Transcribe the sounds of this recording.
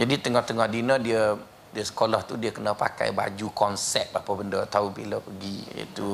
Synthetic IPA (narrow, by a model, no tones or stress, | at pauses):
d͡ʒadit̪əŋɔht̪əŋɔhdinədiə | diəsə̥kolɔht̪udiəkənəpa̰ka̰jba̰d͡ʒukɔnsɛ̰p̚apəbəndət̪aubiləpəɡiə̰t̪u